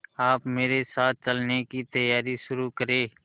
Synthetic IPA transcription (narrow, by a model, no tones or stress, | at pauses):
aːpmeːɾesaːt̪̚ʰt͡ʃəlnekit̪əjaːɾiʃʊɾuːkəɾeː